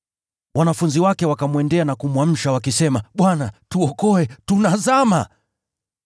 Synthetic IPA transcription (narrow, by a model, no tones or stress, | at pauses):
wanafunziwakɛwakamuwɛndɛanakumwam̩ʃawakisɛmaɓwanatuɔkɔɛtunazama